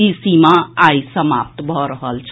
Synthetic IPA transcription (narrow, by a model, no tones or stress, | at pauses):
isimaajsəma̰p̚t̪bʱɔɾəɦəlt͡ʃʰ